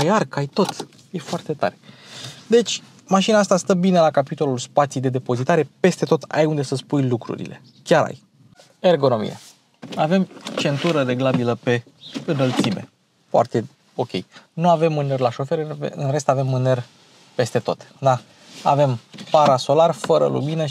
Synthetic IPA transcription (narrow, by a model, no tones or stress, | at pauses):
ajarkajt̪o̞t̪ | je̞foart̪e̞t̪a̰ɾed̪e̞t͡ʃʲ | maʃinaast̪ast̪əbine̞lakapit̪o̞lulspat̪sijd̪e̞d̪e̞po̞zit̪aɾe̞pe̞st̪e̞t̪o̞t̪a̰jund̪e̞səspujlukɾṵɾḭle̞̰ | kʲaɾa̰j | e̞rɡo̞no̞mḭje̞̰ | ave̞mt͡ʃe̞nt̪uɾəɾe̞ɡlabiləpe̞ | ɨnəlt̪sime̞̰ | foa̰rt̪e̞ | o̞kʲe̞jnuave̞mmɨnerlaʃo̞fe̞ɾɨv̰ɨ̰nre̞st̪ave̞mːɨner | pe̞st̪e̞t̪o̞t̪d̪a | a̰ve̞mpaɾaso̞larfəɾə̰lṵminə